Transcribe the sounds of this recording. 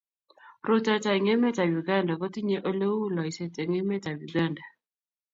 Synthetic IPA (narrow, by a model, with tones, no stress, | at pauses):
ɾo˦ta˦ta˨i˨ŋe˦mɛ˦ta˨ju˨ɡa˦nda˨kɔ˦ti˦ɲe˦ʔo˦le˦wu˦la˨i˨se˦te˨ŋe˦mɛ˦ta˨ju˨ɡa˦˨nda˨